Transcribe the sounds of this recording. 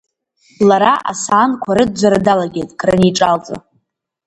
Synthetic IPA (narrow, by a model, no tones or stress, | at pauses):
laɾaʔa̰saːnkʷʰaɾɨd̚d͡ʒʷaɾadalaɡʲejtʼkʰʼrɨniʈ͡ʂʼalt͡sʼo̰